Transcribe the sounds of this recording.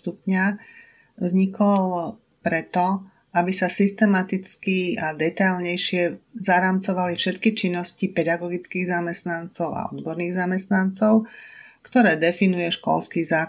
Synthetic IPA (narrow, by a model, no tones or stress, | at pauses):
t̪upɲa | vzɲikʰɔl | pɾɛt̪ɔ | abisasist̪ɛmat̪it͡skiad̪ɛt̪ajlɲɛjʃɪɛzaɾamt͡sɔʋalifʃɛt̪kit͡ʃinːɔscipɛd̪aɡɔɡit͡skiːɣzamɛst̪nant͡sɔʊa̰ɔ̰d̪bɔɾniːɣzamɛst̪nant͡sɔʊ | kt̪ɔɾɛːd̪ɛfinujɛʃkɔ̰lskizaː